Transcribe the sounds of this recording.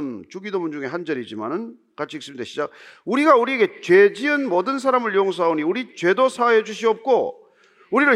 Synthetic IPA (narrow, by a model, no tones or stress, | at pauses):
nt͡ɕuɡidomund͡ʑuŋe̞ɦand͡ʑʌɾid͡ʑima̰nɯn | kat͡ɕʰiiks͈ɯmideɕʰid͡ʑak̚uɾiɡauɾieɡe̞t͡ɕwed͡ʑiɯnmodɯns̬ʰaɾamɯɭjooŋs̬ʰaoniuɾit͡ɕwe̞dosʰajed͡ʑuɕ̬ʰiʌp̚k͈o | uɾiɾɯ